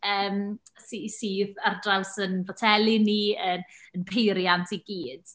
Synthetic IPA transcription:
əːmsisiːðardrawsənvɔtʰɛlˠiniənənpʰejɾjantʰiɡiːd̥

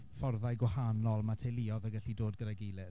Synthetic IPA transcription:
fɔrðajɡwahanɔlˠmatʰeliɔðəɡaɬidoːd̚ɡədaɡejlɪð

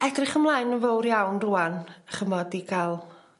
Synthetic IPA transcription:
ɛdrɪχəmlˠaːjnənvowɾjawnruːanəχəmɔdiɡalˠ

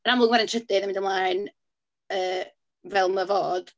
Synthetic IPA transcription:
ənamlˠʊɡmaɾəntʰədɪðənmɪndəmlˠaːjn | əː | vɛlˠməvoːd̥

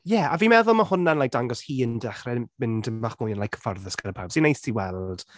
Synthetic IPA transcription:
jɛaviːmɛðʊlˠmahʊnanlajk̚d̥aŋɡɔshiːəndɛχrɛmɪndəmaχmʊjənlajkʰːə̥farðəsɡ̥aɾəpʰawb̥sinejstʰiwɛlˠd̥

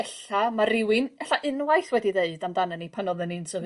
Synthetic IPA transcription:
ɛɬamaɾɪwɪnɛɬaʔɨnwajθwɛdiðeɨdamdananipʰanɔðəninsəv

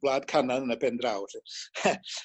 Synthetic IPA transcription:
b̥lˠaːd̥kʰananənəbɛndrawɬɪ

